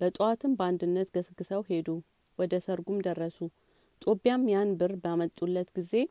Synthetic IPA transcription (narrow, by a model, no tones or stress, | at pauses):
b̥ət̪ʼuwat̪ʰɨmbəand̪ɨnːət̪ɡəsɨɡːɨsəwhe̞d̪u | wɔd̪əsəɾɡumd̪ərːəsu | t̪ʼobijamjanbɨrbjamət̪ʼːulːət̪ɡizːe̞